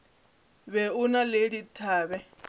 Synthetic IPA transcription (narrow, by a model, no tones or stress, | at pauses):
βɛunaleɺitʰaːβɛ